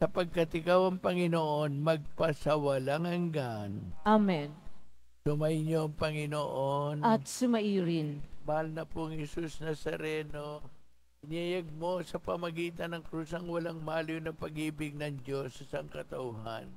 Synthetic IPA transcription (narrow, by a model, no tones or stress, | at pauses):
sɐpɐɡ̚kɐt̪ɪkawɐŋpɐŋɪnoʔonmɐɡ̚pɐsɐwɐlaŋɐŋɡanʔamɛn | sʊmɐɪɲoɐŋpɐŋɪnoʔonɐt̪sʊmɐʔiːɾɪnmahalnɐpuɐŋhɛsusnɐsɐɾɛːno̞ | ʔɪnɐjaɡ̚mo̞sɐpɐmɐɡiːt̪ɐnɐŋkɾuːsɐŋwɐlaŋmaːljonɐpɐɡiːbɪɡ̚nɐŋd͡ʒo̞sɐsɐŋkɐt̪ɐʔuɦa̰n